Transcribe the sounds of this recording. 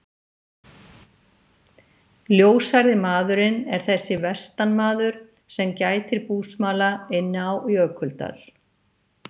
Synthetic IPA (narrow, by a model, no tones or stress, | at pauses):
ljoːwsajɾðɪmaːðʏɾɪnɛɾ̥θɛsːɪvɛst̪anmaːðʏɾ̥ | sɛmcaːjt̪ɪɾpuːsmaːlaɪnːɪawiœːkʰʏlt̪a̰ɾ̥